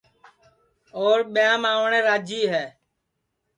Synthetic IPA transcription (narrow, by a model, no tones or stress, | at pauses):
oːɾɓɪjãːmaːʋɳẽːɾaːd͡ʒiːɦɛː